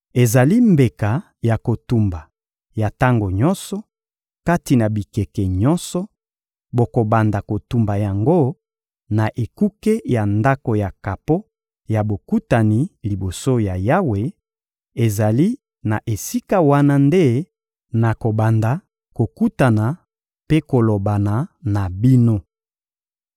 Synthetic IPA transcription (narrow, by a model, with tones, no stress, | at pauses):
e˨za˨li˦mbe˨ka˨ | ja˨ko˨tu˨mba˨ | ja˨ta˦ŋɡo˨ɲɔ˦nsɔ˨˦ | ka˦ti˨na˨bi˨kɛ˨kɛ˨ɲɔ˦nsɔ˦ | bo˨ko˨ba˨nda˨ko˨tu˨mba˨ja˨ŋɡo˦ | na˨ʔe˨ku˦ke˦ja˨nda˦ko˨ja˨ka˨po˦ | ja˨bo˨ku˦ta˨ni˨li˨bo˨so˦ja˨ja˦we˨ | e˨za˨li˦ | na˨ʔe˨si˦ka˦wa˦na˦nde˦ | na˨ko˨ba˨nda˨ | ko˨ku˦ta˨na˨ | pe˦ko˨lo˨ba˨na˨na˨bi˦no˦